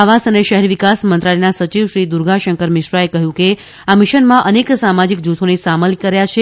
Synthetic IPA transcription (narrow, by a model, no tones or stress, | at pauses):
aʋasəneʃəɦɛɾʋikasmənt̪ɾalenasət͡ʃiʋʃɾid̪uɾɡʱaʃəŋkəɾmɪʃɾaekəɦjũke | amɪʃənmãʔəneksamad͡ʒik̚d͡ʒut̪ʰonesaməlkəɾjat͡ʃʰe